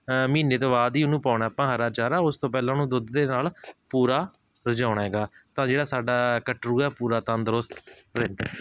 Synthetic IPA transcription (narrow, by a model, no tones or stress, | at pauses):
mĩːneːt̪õːbaːd̪iːʊnũːpaːɳaːapãːɦəɾaːt͡ʃaːɾaːʊst̪õːpɛːlãːnũːd̪ʊd̪d̪eːnaːlpuːɾaː | ɾəd͡ʒãːʊɽ̃aːɦɛːɡaːt̪ãːd͡ʒeːɽaːsaːɖaːkəʈɾuːɛːpuːɾaːt̪ãnd̪ɾʊst̪ | ɾɛ̃ːnd̪a̰ː